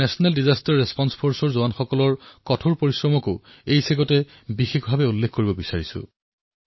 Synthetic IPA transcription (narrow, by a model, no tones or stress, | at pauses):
ɛsɔnaldizastaɹːespɔnspʰoɹsɔɹzoanxɔkɔlɔɹkɔtʰoɹpoɹisɹɔmɔkʊ | ejseɡɔtɛ | bixexbʱabɛulːekʰkoɹibɔbisaɹisʊ̰